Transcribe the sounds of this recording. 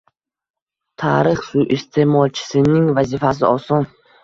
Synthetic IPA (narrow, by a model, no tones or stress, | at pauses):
t̪ʰaɾɪχsuʔɪst̪ʰe̞mɒlˠt͡ʃʰɪ̥sɪnɪŋvazɪfasɪɒsɒn